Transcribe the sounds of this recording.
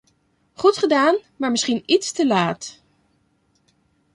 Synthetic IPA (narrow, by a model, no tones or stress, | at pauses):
χutχədaːnmaːɹməsχinitstəlaːt